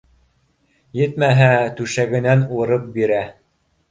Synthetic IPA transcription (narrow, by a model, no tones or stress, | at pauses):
jɘt̪mæɦæt̪ʉʃæɡɘ̆nænŭɾɤp̚biɾæ